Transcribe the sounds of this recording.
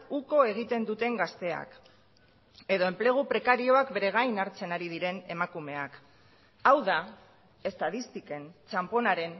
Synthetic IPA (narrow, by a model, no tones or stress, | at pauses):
uko̞e̞ɣ̞it̪e̞nd̪ut̪e̞ŋɡast̪e̞a̰k | e̞ðo̞e̞mple̞ɣ̞upɾe̞kaɾio̞akbe̞ɾe̞ɣ̞ajnaɾt͡se̞naɾiðiɾe̞ne̞makume̞ak | awða | e̞st̪aðist̪ike̞nt͡ʃampo̞naɾe̞n